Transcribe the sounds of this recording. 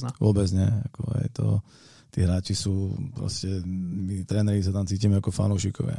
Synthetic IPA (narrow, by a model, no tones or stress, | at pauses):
aʋʊɔbɛd͡zɲɪɛakɔ̰ɛ̰jt̪ɔ̰ | t̪iːɦɾaːt͡ʃisuːpɾɔ̰scɛmit̪ɾɛːnɛɾis̬at̪amt͡siːciːmɛakɔfa̰nuʊʃikɔ̰ʋɪa̰